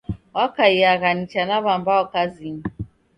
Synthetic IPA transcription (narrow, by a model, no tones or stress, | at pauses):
wakajaɣanit͡ʃanaβambaɔkaziɲ